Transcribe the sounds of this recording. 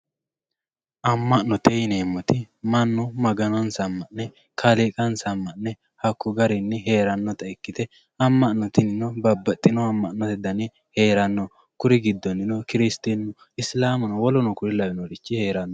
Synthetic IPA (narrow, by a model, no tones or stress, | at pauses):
ʔɐmːɐʔnːɔt̪ejneːmːɔt̪ɪ | mɐnːɔmɐɡɐnɔnsɐmːɐʔnɛ | kʰɐlikʼɐnsɐmːɐnːɛ | hɐkːʊɡɐɾɪnːɪɦe̞ːɾɐnːɔt̪ɐɛkːɪt̪ɛ | ɐmːɐʔnɔt̪ɪnɪnɔbɐbːɐt̪ʼːɪnɔɐmːɐʔnːɔt̪ɪd̪ɐnɛ | he̞ːɾɐnːɔ | kʊɾɪɡɪd̪ːɔnːɪnɔkɪɾɪst̪inːɔ | ɪslaːmɔnɔwɔlɔnɔkʊɾɪlɐbɪnɔɾɪt͡ʃːɪhe̞ːɾɐnːɔ